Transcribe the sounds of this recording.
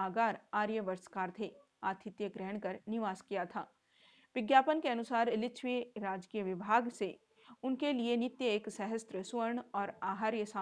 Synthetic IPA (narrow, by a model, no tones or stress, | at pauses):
aːɡaːɾaːɾjəʋəɾskaːɾt̪ʰe | aːt̪ʰɪt̪jəɡɾɛɦɳ̃kɐɾnɪʋaːskijat̪ʰa̰ː | ʋɪɡjaːpənkeɐnʊsaːɾɪlɪt͡ʃʰʋiɾaːd͡ʒkiːjəʋɪbʱaːɡse | ʊnkelienɪt̪jəeːksɛɦəst̪ɾəsʋəɾɳɔːɾaːɦaɾjəsaː